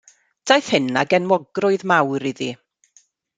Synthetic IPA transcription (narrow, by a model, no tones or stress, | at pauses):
d̥ajθhɨnaɡɛnmɔɡrʊɨðmawɾiði